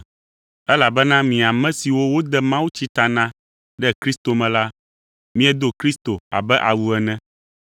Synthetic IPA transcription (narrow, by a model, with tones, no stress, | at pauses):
ɛ˦la˨bɛ˦nã˦mĩ˨a˨mɛ̃˦si˨wo˦wo˦d̪ɛ˦mã˦wu˦t͡ɕi˦t̪a˨nã˦ | ɖɛ˦kɾi˦st̪o˨mɛ̃˨la˦ | mĩ˦ɛ˦d̪o˦kɾi˦st̪o˨a̰˨bɛ˦ʔa˨wu˨ɛ˨nɛ̃˦